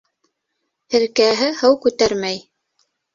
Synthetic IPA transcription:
hɘ̆ɾkæɦɘhɤwkʉt̪æɾmæj

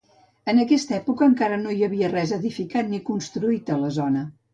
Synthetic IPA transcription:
ənəkɛst̪əɛpukəːŋkaɾənoiəβiərɛzəðifikat̪nikunst̪ɾuit̪ələzɔnə

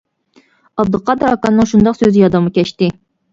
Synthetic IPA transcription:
ɑbd̪ɨqʰɑd̪ɨɾɑkɑnːɨŋʃund̪ɑqsøzɪjɑd̪ɑmɑkʲɛʃt̪ɪ

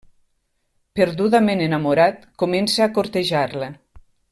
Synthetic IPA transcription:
peɾðuðamenenamuɾat̪komensaːkoɾt̪eʒaɾle

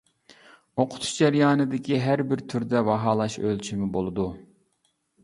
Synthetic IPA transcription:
oqʰʊ̥t̪ʰu̥ʃd͡ʒɛɾjɑːnɨd̪ɪkʲʰiɦæɾbɪɾt̪ʰyɾd̪ɛvɑɦɑːlˠɑʃø̰lt͡ʃʰimɪbolˠɨd̪u

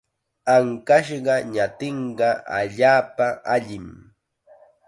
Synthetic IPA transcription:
aŋkaʃɢɑɲat̪eɴɢɑa̰ʎaːpaʔaʎɪm

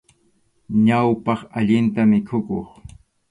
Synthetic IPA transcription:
ɲawpɑχaʎɪnt̪amɪkʰʊkoχ

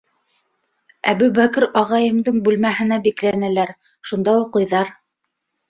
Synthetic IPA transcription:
æβʉbækɘɾɑʁɑjɤ̆md̪ɤɴbʉlmæɦɘ̆næbiklænælæɾ | ʃund̪ɑuqɤ̆jðɑɾ

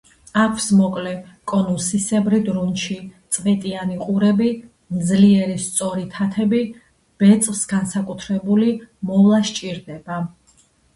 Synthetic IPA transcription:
akʷʰsmɔkʼlɛkʼɔnusisɛbɾid̪ɾunʃit̪sʼvɛt̪ʼianiqʼuɾɛbi | md̪zliɛɾist̪sʼɔɾit̪ʰat̪ʰɛbi | b̥ɛt̪sʼlsɡansakʼut̪ʰɾɛbulimɔvlˠaʃt͡ʃʼiɾd̪ɛba

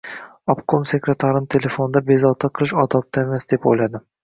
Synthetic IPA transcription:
ɒbkʰomse̞kɾet̪ʰaɾɪnɪt̪ʰe̞le̞fo̞nd̪abe̞zɒwt̪ʰaqʰɨlˠɪʃɒt̪ɒp̚t̪ʰaemasd̪e̞po̰jlad̪ɪ

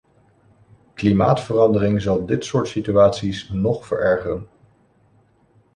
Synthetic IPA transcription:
klima̰ːtfərɑndərɪŋzɑlˠdɪtsʊːɹtsityaːtsisnɔχfəɹʔɛɹχərən

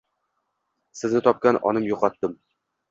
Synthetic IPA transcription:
sɪznɪt̪ʰɒp̚kʲanʔɒ̰nɪmjoqʰɒt̪ːɪm

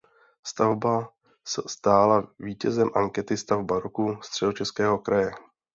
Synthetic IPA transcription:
st̪avba | sɛst̪aːlaviːcɛzɛmʔaŋkɛt̪ɪst̪avbaɾokust̪r̝̥ɛdo̞t͡ʃɛskɛːɦo̞kɾajɛ

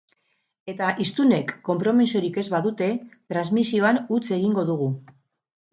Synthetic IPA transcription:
e̞t̪aʔist̪une̞kːo̞mpɾo̞misio̞ɾike̞zβaðut̪e̞t̪ɾanzmisio̞anut͡se̞ɣiŋɡo̞ðuɣu

